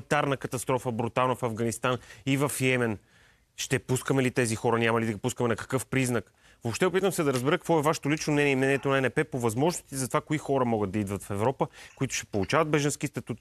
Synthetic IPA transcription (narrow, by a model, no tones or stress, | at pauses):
t̪aɾnəkɐt̪ɐst̪ɾɔfəbɾut̪alˠnɐfɐvɡɐnist̪anivɐfjɛmɛn | ʃt̪ɛpuskəmɛlit̪ɛzixɔɾənʲamɐlid̪ɐɡipuskəmɛnɐkɐ̥kɤfpɾiznək | vopʃt̪ɛopit̪əmsɛd̪ɐɾəzbɛɾəkə̥kvɔɛvaʃɛ̥t̪olit͡ʃnomnɛniɛimnɛniɛt̪onɐɛnɛpɛpovɐzmɔʒnost̪izɐt̪ovakoixɔɾəmɔɡəd̪ɐid̪vət̪fɛvɾɔpəkoit̪ʊ̥ʃt̪ɛ̥polˠut͡ʃavɐd̪bɛʒənskist̪ɐt̪ut̪